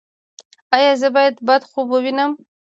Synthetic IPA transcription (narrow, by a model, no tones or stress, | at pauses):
ajɑzəbɑjad̪bad̪xobəwinəm